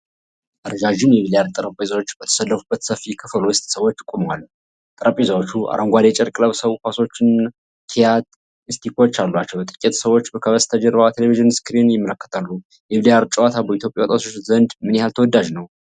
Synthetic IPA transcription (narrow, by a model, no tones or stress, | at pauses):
ʔaɾəd͡ʒaʒumjɛβilijaɾt̪ʼəɾəpʼezawo̞t͡ʃːbət̪ʰə̥səlːəfubːət̪səfikʰəfəlwʊst̪ʼsəwo̞t͡ʃːt̪ʼɨkʼoməwalː | t̪ʼəɾəpʼezawot͡ʃːuʔa̰ɾʔəŋɡʷad̪et͡ʃʼɛɾkʼləβsəβkʰʷaso̞t͡ʃːɪn | kʰijat̪ | ɨst̪ʰikot͡ʃːalːwat͡ʃːɛwt̪ʼɨ̥kʼet̪səwo̞t͡ʃːbəkʰəβəst̪ʰad͡ʒɛɾβaat̪ʰeleviʒɨnskɨɾinjɪmːələkːə̥t̪ʰalːu | jɛβilijaɾt͡ʃʼwat̪ʰabəit̪ʰjo̞pʼjawɔt̪ʼat̪ʰot͡ʃːzənd̪mɨnɛhalt̪ʰəwɔd̪ːaʒnəw